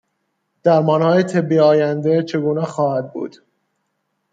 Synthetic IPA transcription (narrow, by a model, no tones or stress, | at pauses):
d̪̥æɾmɒːnhɒːjet̪ʰebːiɒːjænd̪et͡ʃʰe̞ɡuːnɛxɒːhæd̪̚bṵːd̪̥